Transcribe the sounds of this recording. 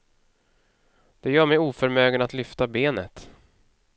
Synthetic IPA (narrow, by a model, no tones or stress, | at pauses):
d̪̥ɛjœːɾmɛjuːfœɾmøːɡənat̪lʏft̪abeːnət̪